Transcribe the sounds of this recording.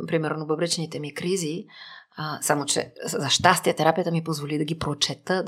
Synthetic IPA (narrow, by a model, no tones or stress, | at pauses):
pɾimɛɾnobəbɾɛt͡ʃnit̪ɛmikɾizi | samot͡ʃɛ̰zɐʃt̪ast̪iət̪ɛɾapijət̪əmipozvolid̪ɐɡʲipɾot͡ʃɛt̪ə